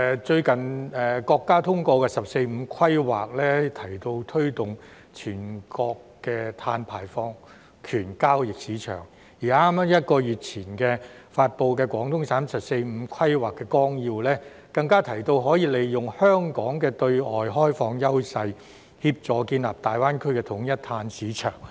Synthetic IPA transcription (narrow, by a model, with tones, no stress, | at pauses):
t͡ʃɵ˧ɥkɐ˨˩nɛː˨˩kɔː˧kːaː˥t̪ʰʊ˥ŋkɔː˧kɛː˧sɐ˨p̚se˧jm̩˨˧kʰɐ˥jwa̰ː˨k̚lɛː˥t̪ʰɐ˨˩jt̪o˧wt̪ʰɵ˥ɥt̪ʊ˨ŋ | t͡ʃʰyː˨˩nkɔː˧kːɛː˧t̪ʰaː˧npʰaː˨˩jfɔː˧ŋ | kʰyː˨˩nkaː˥wjɪ˨k̚siː˨˥t͡ʃʰœ̰ː˨˩ŋ | jiː˨˩aː˥ma˥mjɐ˥t̚kɔː˧jyː˨t̚t͡sʰiː˨˩nkɛː˧ | faː˧t̚po˧wk̬ɛː˧kwɔː˨˥ŋt̪ʰʊ˥ŋsaː˨˥msɐ˨p̚se˧jm̩˨˧˥kʰɐ˥jwaː˨˩kːɛː˧kɔː˥ŋjiː˧wlɛː˥ | kɐ˧ŋkaː˥t̪ʰɐ˨˩jt̪o˧wɦɔː˨˥jiː˧le˨jjʊ˨ŋhœː˥ŋkɔː˨˥ŋkɛː˧t̪ɵ˧ɥɔː˨˩jɦɔː˥jfɔː˧ŋjɐ˥wsɐ˧j | hiː˧p̚t͡ʃɔː˨kiː˧nla̰ː˨˩p̚t̪aː˨˩jwaː˥nkʰɵ˥ɥkɛ˧t̪ʰʊ˨˥ŋjɐ˥t̚t̪ʰaː˧nsiː˨˥t͡ʃʰœ̰ː˨˩ŋ